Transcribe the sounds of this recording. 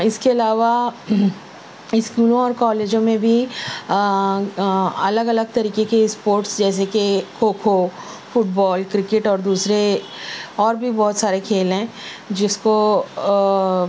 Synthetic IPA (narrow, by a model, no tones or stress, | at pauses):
ɪskeɐlaːʋa | ɪskuːlõɔːɾkɔːleːd͡ʒõmẽbʱi | ɐləɡɐləɡ̚t̪ɐɾiːkekespoːɾʈsd͡ʒɛːs̬ekekʰoːkʰo | fʊʈ̚bɔːlkɾɪkɪʈɔːɾd̪uːsɾe | ɔːɾbʱibɔːt̪saːɾekʰeːlɦɛ̃d͡ʒɪsko